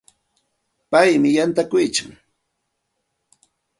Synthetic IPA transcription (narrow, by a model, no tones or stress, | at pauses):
pajmɪjant̪akʊjt͡ʃʊ̰ŋ